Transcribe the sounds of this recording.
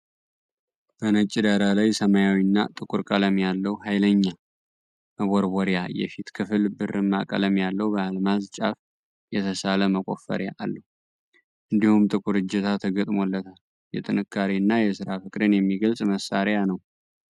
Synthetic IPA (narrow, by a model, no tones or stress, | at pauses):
b̥ənət͡ʃʼːɪd̪aɾalajsəmajawinːa̰t̪ʼɨkʼuɾkʼələmjalːəhuɦajləɲːa | məβoɾbɔɾjajɛ̰fit̪kʰɨfɨlbɨrɨmːa̰kʼə̰ləmjalːəwubəalmazt͡ʃʼa̰f | jɛt̪ʰəsaləməkʼo̞̰fːə̰ɾjaʔalːə | ʔɨnd̪ihumt̪ʼɨkʼuɾɨd͡ʒɛt̪ʰat̪ʰəɡət̪ʼmo̞lːət̪ʰal | jɛ̰t̪ʼɨnɨkʰːaɾinːajɛsɨɾafɨkʼd̪ɨnjɛmːiɡəlsʼməsːaɾjanəw